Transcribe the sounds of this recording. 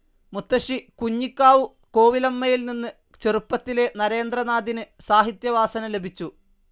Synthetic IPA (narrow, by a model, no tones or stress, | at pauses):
mut̪ːɐʂikuɲːikʲːaːʋu | ko̞ːʋilɐmːɐjilninːɨ | t͡ɕerupːɐt̪ːile̞nɐɾe̞ːnd̪rɐnaːd̪ʱinɨsaːɦit̪jɐʋaːsɐnɐle̞bʱit͡ɕːu